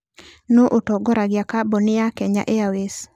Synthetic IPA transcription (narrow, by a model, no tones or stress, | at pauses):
noʔotɔɡɔɾaɡjakabɔnɪjakɛɲa̰ʔeawes